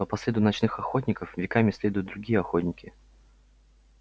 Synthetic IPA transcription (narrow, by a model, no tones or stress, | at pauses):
əpɐsʲlʲed̪ʊnɐt͡ɕnɨxɐxotʲnʲɪkəfvʲɪkamʲɪsʲlʲe̞d̪ʊjʊt̪̚d̪ɾʊɡʲijəɐxotʲnʲɪkʲɪ